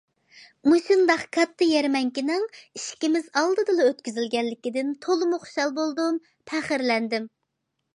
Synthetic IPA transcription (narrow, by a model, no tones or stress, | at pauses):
musund̪ɑχkʰɑt̪ʰːɨjɛɾmɛŋkʲinɪŋiʃkʲimɪzɑlˠd̪ɨd̪ɨlˠɨøt̪̚kʲyzɪlɡʲɛlːɪkʲid̪ɪnt̪ʰolˠɨmʊχo̥ʃɑlˠbolˠd̪um | pʰɛχɪɾlɛnd̪ɪm